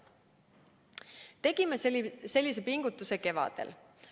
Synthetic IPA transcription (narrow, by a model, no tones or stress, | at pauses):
t̪e̞ɡ̥imese̞lʲːise̞piŋɡ̥ut̪ːˑuse̞ke̞vɑ̰d̪̥ḛl